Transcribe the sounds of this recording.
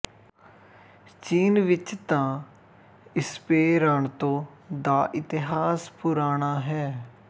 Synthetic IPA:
t͡ʃiːnʋɪt͡ʃt̪ãː | ɪspeːɾaːɳt̪õː | d̪aːʔɪt̪ɪɦaːspʊɾaːɳaːɦɛː

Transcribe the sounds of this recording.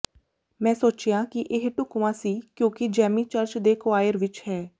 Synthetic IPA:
mɛ̃ːsoːt͡ʃjãːkɪʔɪɦʈʊkʋãːsiːkjõːkɪd͡ʒɛːmiːt͡ʃəɾt͡ʃd̪eːkʋaːjəɾʋɪt͡ʃhɛː

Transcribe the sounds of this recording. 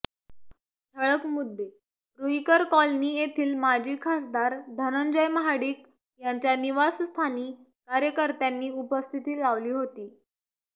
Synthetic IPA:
t̪ʰəɭəkmud̪ʱːe | ɾuikəɾkɔlniːjet̪ʰiːlmad͡ʑʱiːkʰasd̪aɾd̪ʱənənd͡ʑəjməɦaɽiːk | jaɲt͡ɕjaniʋasst̪ʰaniː | kaɾjəkəɾt̪janːiːupəst̪ʰit̪iːlaʋliːɦot̪iː

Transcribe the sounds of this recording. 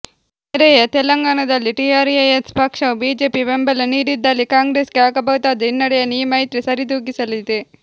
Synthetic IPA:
ɐɾejɐt̪ɛlɐŋɡaːɳɐd̪ɐlːiʈijaːɾijɐjɐt̪spɐkʂɐwbiːd͡ʒeːpibembɐlɐniːɾid̪ːalːikaːŋɡɾeːskeaːkɐbɐwut̪aːd̪ɐinːɐɽɐjɐnːiːmɐjt̪ɾisɐɾid̪uːɡisɐlid̪e

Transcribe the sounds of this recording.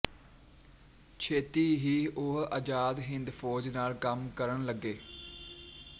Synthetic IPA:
t͡ʃʰeːt̪iːɦiːʊɦə̰ːd͡ʒaːd̪ɦɪnd̪pʰoːd͡ʒnaːlkəmkəɾəɳləɡːeː

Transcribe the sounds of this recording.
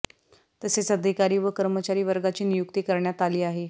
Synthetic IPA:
t̪əset͡səd̪ʱikaɾiːʋəkəɾmət͡ɕaɾiːʋəɾɡat͡ɕiːnijukt̪iːkəɾɳjat̪aliːaɦe

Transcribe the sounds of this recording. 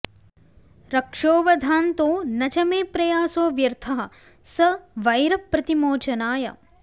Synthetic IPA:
ɾɐkʂoːʋɐd̪ʱaːnt̪oːnɐt͡ʃɐmeːpɾɐjaːsoːʋjɐɾt̪ʰɐɦɐ̆ | sɐʋɐjɾɐpɾɐt̪imoːt͡ʃɐnaːjɐ̰

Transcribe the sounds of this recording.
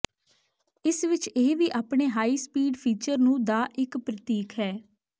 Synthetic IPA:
ɪsʋɪt͡ʃeːʋiːʔaːpɳeːɦaːiːspiːɖpʰiːt͡ʃəɾnũːd̪aːʔɪkpɾət̪iːkʰɦɛː

